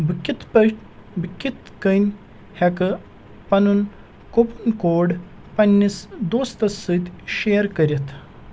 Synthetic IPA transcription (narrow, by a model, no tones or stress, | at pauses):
bkʲit̪pə | bikʲːit̪kənʲ | hɛkɨ | pɐnun | kopunkoːɖ | pɐnʲːisd̪oːst̪ɐsɨt̪ʲʃeːɐɾkɐɾʲit̪ʰ